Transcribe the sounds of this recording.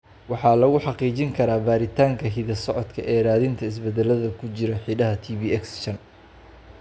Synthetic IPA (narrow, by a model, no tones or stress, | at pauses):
wɑħɑːlɐɣʊħɑqiːt͡ʃɪŋkʰɐɾaːbaːɾɪt̪ʰaːŋkʰɐɦiðɐsɔʕɔd̪kʰɐʔɛːraːðɪnt̪ʰɐɪs̬bɛd̪ɛlɐðɐkʰʊt͡ʃɪɾɐħiːɖɐɦɐt̪ʰiːbiːɛksʃɐn